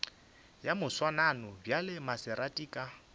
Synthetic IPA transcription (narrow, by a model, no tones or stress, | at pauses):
jamʊswananʊbjalɪmasɪɾʔatʼiːkʼa